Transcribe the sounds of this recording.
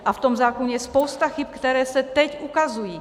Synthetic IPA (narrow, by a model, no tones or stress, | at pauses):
ʔaft̪ɔmzaːkɔɲɛjɛspɔʊst̪axip̚kt̪ɛɾɛːsat̪ɛcukazujiː